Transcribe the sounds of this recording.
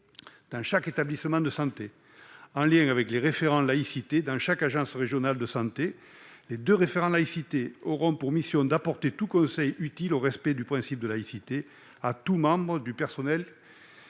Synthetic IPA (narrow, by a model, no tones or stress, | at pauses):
d̪̥ɑ̃ʃaket̪ablisəmɑ̃d̪əsɑ̃t̪e | ɑ̃ljɛ̃ŋavɛkleʁefeʁɑ̃laisit̪ed̪ɑ̃ʃakaʒɑ̃sʁeʒjɔnald̪əsɑ̃t̪e | led̪øʁefeʁɑ̃laisit̪eɔʁɔ̃puʁmisjɔ̃d̪apɔʁt̪et̪ukɔ̃sɛjyt̪iloʁɛspɛd̪ypχɛ̃sip̚d̪əlaisit̪e | at̪umɑ̃bʁəd̪ypɛʁsɔnɛl